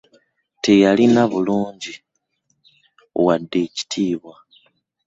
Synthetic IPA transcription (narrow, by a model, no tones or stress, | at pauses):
te̞jalinaβuluːɲɟi | o̰wadːe̞ːci̥tʰiːβwa